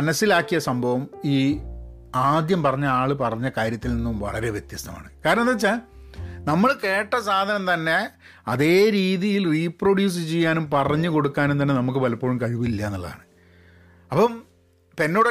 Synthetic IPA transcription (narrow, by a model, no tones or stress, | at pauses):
ɐnɐsːilaːkːijɐsɐmbʱɐʋɐmiː | aːd̪jɐmpɐrɐɲːɐaːɭɨpɐrɐɲːɐkaːɾjɐt̪ːilninːumʋɐ̰ɭɐɾe̞ʋjet̪jɐst̪ɐma̰ːɳɨkaːɾɐnɐnɐt͡ɕːa | nɐmːɐɭke̞ːʈːɐs̬aːd̪ʱɐnɐmt̪ɐnːe̞ | ɐðe̞ːɾiːðijilriːproɽjuːs̬ɨt͡ɕejːaːnumpɐrɐɲːɨko̞ɽukːaːnunt̪ɐnːenɐmuk̬ːɨʋɐlɐpːoːɻumkɐɻʋuilːɐenːɐɭːɐða̰ːɳɨ | ɐpːɐm | pe̞nːoːɽ